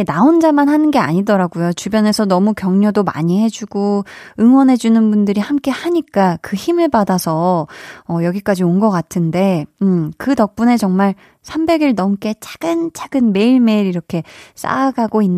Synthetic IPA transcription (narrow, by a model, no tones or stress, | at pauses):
naond͡ʑamanhanɯnɡe̞a̰ɲidʌɾaɡujot͡ɕubjʌne̞sʰʌnʌmukjʌŋɲodoma̰ɲihe̞d͡ʑuɡoɯŋwʌnɦe̞d͡ʑunɯnbundɯɾihamk͈e̞haɲik͈akɯçimɯɭpadasʰʌː | jʌɡik͈ad͡ʑionɡʌk͈atʰɯnde̞ɯkɯtʌk̚p͈une̞t͡ɕʌŋmaɭ | sʰambe̞ɡiɭnʌmk͈e̞t͡ɕʰaɡ̥ɯnt͡ɕʰaɡ̥ɯnme̞iɭme̞iɾiɾʌkʰe̞s͈a̰ɡaɡoinː